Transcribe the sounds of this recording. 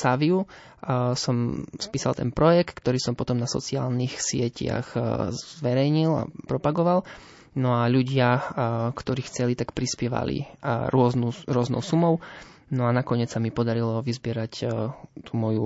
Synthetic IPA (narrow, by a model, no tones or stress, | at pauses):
saʋiu | sɔmspiːsalˠt̪ɛ̰npɾɔjɛkt̪kt̪ɔɾiːsɔmpɔt̪ɔmnasɔ̰t͡sia̰ːlnixsɪɛca̰ɣzʋɛɾɛjɲila̰pɾɔpaɡɔʋal | nɔaʎuɟɪakt̪ɔɾiːxt͡sɛlit̪akpɾispɪɛʋa̰lḭɾʊɔznuɾʊɔznɔ̰ʊsumɔʊnɔanakɔɲɪɛt͡ssamipɔd̪aɾilɔʋizbɪɛɾact̪umɔju